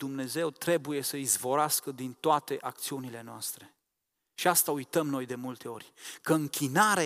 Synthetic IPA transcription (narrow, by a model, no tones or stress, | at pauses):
umne̞ze̞wt̪ɾe̞buje̞səizvo̞ɾaskəd̪int̪oat̪e̞ʔakt̪siunile̞noast̪ɾe̞ | ʃiast̪aujt̪əmno̞jd̪e̞mult̪e̞o̞rʲkəɨŋkʲʰinaɾe